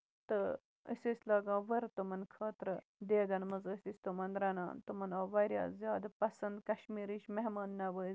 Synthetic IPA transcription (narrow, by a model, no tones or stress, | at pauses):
t̪ɨ | ə̰sʲisʲlɐːɡãːʋɐɾt̪umɐnkʰɐːt̪ɾɨ | d̪eːɡɐnmɨzɨsisʲt̪umɐnɾɐna̰ːnt̪umɐnɐːʋɐɾja̰ːzjaːd̪ɐpɐsɐnd̪kɐʃmiːɾiʃmeɦmɐːnːɐʋəːiz